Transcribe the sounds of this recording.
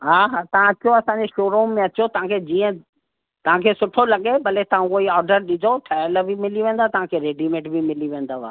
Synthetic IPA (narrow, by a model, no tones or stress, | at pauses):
ɦaːɦaːt̪ɐʋ̤ãɐt͡ɕoɐsãːɲd͡ʑeʃoːɾoːmːẽɐt͡ɕot̪ɐɦãkʰed͡ʑiːə̃ | t̪ɐʋ̤ãkʰeːsʊʈʰolɐɠebɐlet̪ɐʋ̤ãʊiɔːɾɖəɾɗɪd͡ʑʱoʈʰɛələbʱimɪliʋẽːnd̪at̪ɐʋ̤ãkʰeɾeːɖimẽːʈbʱimɪliʋẽːnd̪aʋa̰ː